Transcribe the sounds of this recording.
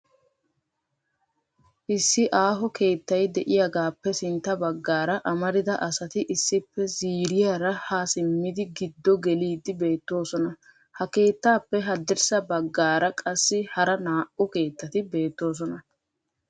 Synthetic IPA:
ʔɪsːɪʔaːɦɔke̞ːt̪ːɐjd̪ɛʔɪjaɡaːpːɛsɪnt̪ːɐbɐɡːaːɾɐʔɐmɐɾɪd̪ɐʔɐsɐt̪ɪʔɪsːɪpːɛziːɾɪjaːɾɐhaːsɪmːɪd̪ɪɡɪd̪ːɔɡɛliːd̪ɪbe̞ːt̪ːo̞ːsɔnɐ | hɐke̞ːt̪ːaːpːɛɦɐd̪ːɛɾsɐbɐɡːaːɾɐkʼɐsːɪhɐɾɐnaːʔʊke̞ːt̪ːɐt̪ɪbe̞ːt̪ːo̞ːs̬ɔnɐ

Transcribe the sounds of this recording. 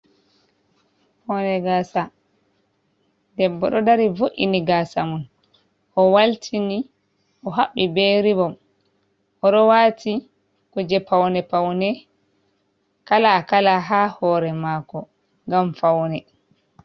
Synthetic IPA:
pɔwnɛɡaːsa | dɛbːɔɗɔdaɾivoʔḭniɡasamun | ʔɔwaltʰini | ʔɔɦaɓːibeɾibɔm | ʔɔɗɔwatʰi | kɔd͡ʒɛpawnɛpawnɛ | kalakalaɦaːhɔːɾɛmaːkɔ | ŋɡamfawnɛ

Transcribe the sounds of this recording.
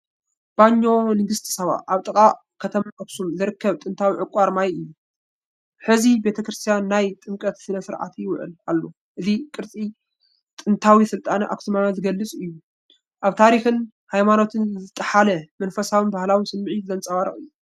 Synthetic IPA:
b̥aɲːo̞nɨɡɨst̪ʰɨ̥sɐβa̰ʔaβt̪ʼɨkʼa | kʰɐt̪ʰɐmaʔaksumzɨɾɨkʰːɐβt̪ʼɨnt̪ʰawiʕɨkʼaɾmajɨjːu | ħɨzibe̞t̪ʰɐkɾɨst̪ʰijanːajt̪ʼɨmkʼɐt̪sɨnɐsɨɾʕa̰t̪ʰwʊʕɨ̰la̰lːo̞ | ʔɨzikʼɨɾt͡sʼi | t̪ʼɨnt̪ʰawisɨlt̪ʼanɨʔa̰ksumajazɨɡɐlːɨt͡sʼɨjːu | ʔaβt̪ʰaɾixɨn | hajmano̞t̪ʰɨnzɨt̪ʼɐħalɐmɐnfɐsawɨnbahlawisɨmːɨʕit̪zɐnt͡sʼɐwaɾɐχʼɨjːu

